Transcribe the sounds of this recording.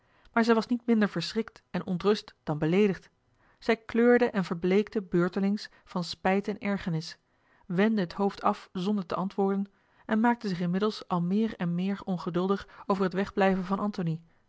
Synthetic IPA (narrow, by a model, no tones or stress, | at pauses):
maːɹzɛjʋɑsnitmɪndəɹvəɹsrɪk̚tɛnɔntrɵstd̥ɑnbəlejdəχt | z̥ɛjkløːɹdəʔɛnvəɹblejkdəbøːɹtəlɪŋs | fɑnspɛjtɛnɛɹχənɪs | ʋɛndəɦətɦowftʰɑfzɔndəɹtəʔɑntʋʊːɹdən | ʔɛnmaːk̚təzɪχɪnmɪdəlˠsɑlˠmɪːɹɛnmɪːɹɔnχədɵlˠdəχowvəɹɦətʋɛχblɛjvənvɑnʔɑntoni